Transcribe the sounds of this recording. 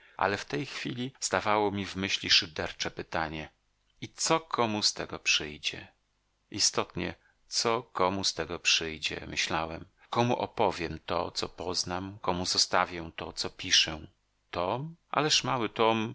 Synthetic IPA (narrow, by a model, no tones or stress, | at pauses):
ʔa̰lɛft̪ɛjxfʲilʲiz̥d̪avawɔmʲivmɘɕlʲiʂɘd̪ɛɾt͡ʂɛpɘt̪aɲɛ | it̪sɔkʰɔmust̪ɛɡɔpʂɘjd͡ʑɛ̰ | ist̪ɔt̪ɲɛ̰ | t̪sɔkɔmust̪ɛɡɔpʂɘjd͡ʑɛ̰mɘɕlawɛm | kɔmuʔɔpɔvʲjɛmt̪ɔ̰t̪sɔpɔznamkɔmuzɔst̪avʲjɛ̃t̪ɔt̪sɔpʲiʂɛ | t̪ɔmʔa̰lɛʂmawɘt̪ɔm